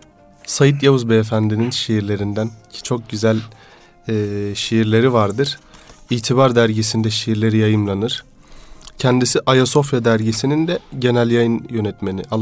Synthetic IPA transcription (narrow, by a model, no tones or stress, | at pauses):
sajit̪̬jauzbeːfænd̪ininʃejiɾlʲe̞ɾind̪æncʰt͡ʃʰo̞k̚ɟyzælʲː | ʃejiɾlʲe̞ɾivaɾd̪ɯɾ̥iːt̪ʰibaɾd̪æɾɟisind̪ɛʃejiɾlʲe̞ɾijajɯmlˠanɯɾ̥ | cʰɛnd̪isiʔajaso̞fjad̪æɾɟisinind̪ɛɟe̞nælʲjajɯnjø̞nɛt̪me̞nḭʔalˠ